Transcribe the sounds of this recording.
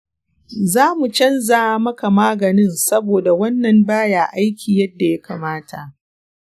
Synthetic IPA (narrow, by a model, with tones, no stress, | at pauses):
zaː˦mu˨t͡ʃɐ˦nzaː˨˦mɐ˦ka˨maː˦ɡɐ˨nɪ˦nsɐ˦boː˨da˨wɐ˦nːɐ˨mbaː˦jaː˨ʔa˦jkʲiː˨jɐ˦dːa˨ja˦kaː˨maː˦ta˨ʔ